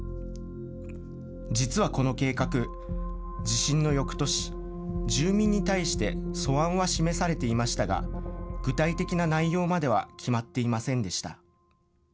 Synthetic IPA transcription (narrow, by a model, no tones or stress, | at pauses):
d͡ʑit͡sɨβako̞no̞ke̞ːkakɯ̟ | d͡ʑiɕĩnːo̞jo̞kɯ̟̥t̪o̞ɕi̥ | d͡ʑɨːmʲĩɲ̟ːit̪aiɕi̥t̪e̞so̞βãɰ̃βaɕime̞saɾe̞t̪e̞imaɕi̥t̪aɡa̰ɡ̥ɯ̟t̪ait̪e̞kʲinanaijo̞ːmad̪e̞β̞a̰kʲʰimat̪ːe̞imasẽ̞nd̪e̞ɕi̥t̪a̰